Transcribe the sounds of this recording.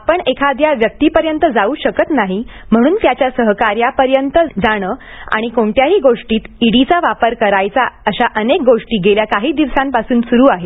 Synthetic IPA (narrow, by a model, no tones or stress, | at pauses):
apəɳekʰad̪jaʋjək̚t̪iːpəɾjənt̪əd͡zauːɕəkət̪naɦi | m̤əɽ̃uːnt̪jat͡ɕjasəɦkaɾjapəɾjənt̪əd͡zaɽ̃əː | a̰ɽ̃ikoɳʈjaɦiːɡoʂʈiːt̪iɽit͡saʋapəɾkəɾajt͡saəɕaʔənek̚ɡoʂʈiːɡeljakaɦiːd̪iʋsãmpasuːnsuɾuːaɦe